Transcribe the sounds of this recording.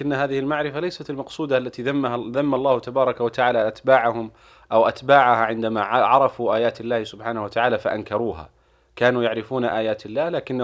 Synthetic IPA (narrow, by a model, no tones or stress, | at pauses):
ɪnːɦaːðɪhɪlmaʕɾɪfalajsat̪ɪlmɑqsˤuːd̪aʔalːat̪iːðamːaɦaðamːalˤːɑːhʊt̪abɑːɾˤɑkawat̪aʕaːlaʔat̪baːʕaɦʊm | ʔawʔat̪baːʕahaʕɪnd̪amaʕʕɑɾˤɑfuʔaːjaːt̪alːaːhɪsʊbħaːnahwat̪aʕaːlafaʔankɑɾˤuːɦa̰ː | kaːnuːjaʕɾɪfuːnaʔaːjaːt̪alːaːhlaːkɪnː